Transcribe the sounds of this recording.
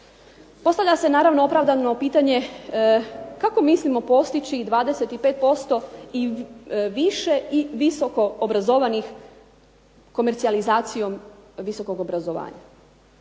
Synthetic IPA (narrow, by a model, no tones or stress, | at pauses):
po̞st̪aʋʎʲase̞naːɾaʋnoo̞pɾaʋd̪ano̞piːt̪aɲe̞ | kako̞mislimo̞po̞st̪it͡ɕid̪ʋaːd̪eset̪ipe̞ːt̪̚po̞st̪oiʋiʃe̞iʋiso̞ko̞obɾazo̞ʋanix | ko̞meɾt̪sializaːt̪sijo̞mʋiso̞ko̞ɡo̞bɾazo̞ʋa̰ːɲa̰